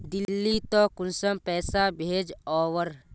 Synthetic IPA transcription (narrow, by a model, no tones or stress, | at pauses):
d̪ɪlːit̪ɔ̃kʊnsəmpɛːsabʱeːd͡ʒɔːʋəɾ